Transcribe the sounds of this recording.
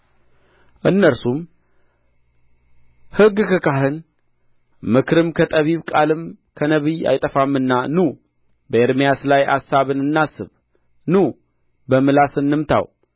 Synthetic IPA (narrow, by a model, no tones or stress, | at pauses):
ʔɨnːəɾsum | hɨɡkʰəkaɦɨn | mɨkʰɾɨmkʰət̪ʼəβiβkʼalɨmkʰənəβija̰jt̪ʼəfamːɨnːanu | bəeɾmijaslaja̰sːaβɨnɨnːasɨβ | nu | bəmɨlasɨnːɨmt̪ʰa̰w